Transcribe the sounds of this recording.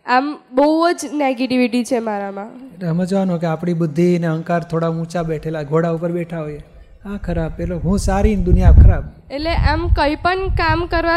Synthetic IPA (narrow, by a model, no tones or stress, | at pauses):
ambəud͡ʒneɡeʈiʋiʈit͡ʃʰemaɾamãeleəmẽd͡ʒəʋanokeapɽ̃ibʊd̪ʱːiəneəŋkaɾt̪ʰoɽaũt͡ʃabeʈʰelaɡʱoɽaupəɾbeʈʰaɦoje | akʰəɾab̚peloɦũsaɾind̪ʊnijakʰəɾab̚ | eleʔamkəipəɳkamkəɾʋa